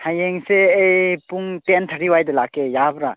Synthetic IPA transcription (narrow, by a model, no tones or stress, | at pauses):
hʰajeŋseːjpuŋtent̪ʰaɾiwajdelakːejabɾa